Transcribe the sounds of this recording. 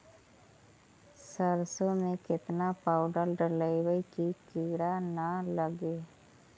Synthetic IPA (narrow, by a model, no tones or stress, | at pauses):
səɾsomẽkɪt̪napaːʊɖəɾɖələiwəikikiːɽanaləɡeː